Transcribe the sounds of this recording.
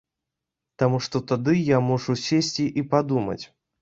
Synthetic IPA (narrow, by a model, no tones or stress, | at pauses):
t̪amuʂt̪ɔt̪ad̪ɨjamɔʐusʲesʲt͡sʲiʔipad̪umɐ̰t͡sʲ